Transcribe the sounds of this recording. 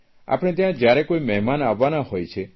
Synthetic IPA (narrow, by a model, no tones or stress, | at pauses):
a̰pɔɽ̃et̪eɦãd͡ʒjaɾekoimeɦmanabanahojt͡ʃʰe